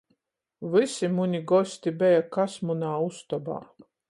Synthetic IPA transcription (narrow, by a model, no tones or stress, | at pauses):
vɨsʲimunʲiɡɔsʲt̪ʲibɛjakasmunaːust̪ɔba̰ː